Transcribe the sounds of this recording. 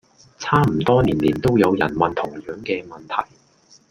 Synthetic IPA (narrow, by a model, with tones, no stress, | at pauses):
t͡sʰaː˥m̩˨˩t̪ɔː˥niː˨˩nliː˨˩nt̪o˥wjɐ˨˧wjɐ̰˨˩nmɐ˨nt̪ʰʊ˨˩ŋjœː˨˥ŋkɛː˧mɐ˨nt̪ʰɐ̰˨˩j